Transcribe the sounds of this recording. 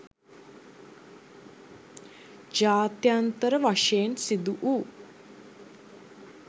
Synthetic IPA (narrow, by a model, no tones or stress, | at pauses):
d͡ʒaːt̪jant̪əɾəʋaʂeːnsid̪uʔu